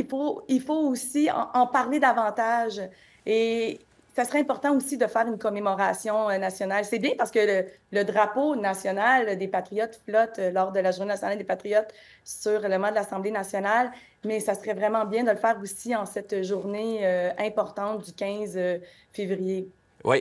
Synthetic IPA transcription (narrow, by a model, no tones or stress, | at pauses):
ilfoilfoosiɑ̰̃ʔɑ̃paʁled̪avɑ̃t̪aʒ | e | sasəʁɛɛ̃pɔʁt̪ɑ̃osid̪əfɛːʁynkɔmemɔʁasjɔ̃ønasjɔnalsɛbjɛ̃paʁsə̥kəələd̪ʁaponasjɔnald̪epat̪ʁijɔt̪flɔt̪ølɔːʁd̪əlaʒuʁnenasjɔnald̪epat̪ʁijɔt̪ | syʁɛləmɑ̃d̪əlasɑ̃blenasjɔnal | mɛsasəʁɛvʁɛmɑ̃bjɛ̃d̪ələfɛːʁosiɑ̃sɛt̪ʒuʁneøɛ̃pɔʁt̪ɑ̃t̪̚d̪ykʲɛ̃zø | fevʁije | wḭ